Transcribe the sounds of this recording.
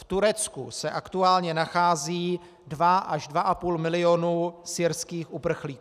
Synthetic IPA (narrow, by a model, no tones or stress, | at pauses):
ft̪uɾɛt͡skṵsɛʔakt̪uaːlɲɛnaxaːziː | dvaʔaʒdvaʔapuːlmɪlɪonusɪɾskiːxʔupr̩xliːk